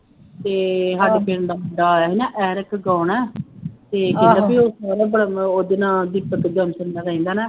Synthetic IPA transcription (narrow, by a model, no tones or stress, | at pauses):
t̪eːɦəɖpeːɳd̪aːməɖaːɛɦiːnaːʔɛːɾəkɡaːnɛːt̪eːɪlaːbiːoːsaːɾaːbəɽaoːd̪eːnãːd̪iːpək̪ɡəmsənːaːɾaĩːnd̪aːnɛː